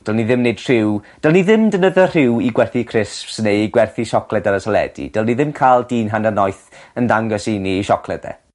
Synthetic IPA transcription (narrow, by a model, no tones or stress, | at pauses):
d̥ɔlˠniðɪmnejd̥r̥ɪwd̥ɛlˠniðɪmdənəðər̥ɪwiɡwɛrθikʰrɪspsnejɡwɛrθiʃɔkʰlˠɛdaɾəsɔlˠɛ̰dḭd̥ɛlˠniðɪmkʰalˠdiːnɦanənɔjθəndaŋɡɔsiniːʃɔkʰlˠɛdɛ̰